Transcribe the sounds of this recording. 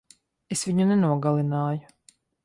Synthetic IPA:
esviɲunɛnuɔɡalˠinaːju

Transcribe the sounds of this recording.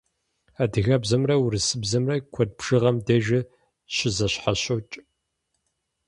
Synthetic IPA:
adɨɣɐbzɐmrɐwɾɨsɨbzɐmrɐkʷʰɔd̚bʒ̥ɨʁɐmdɐʒɪ | ɕɪzɐɕħaɕowt͡ʃʼ

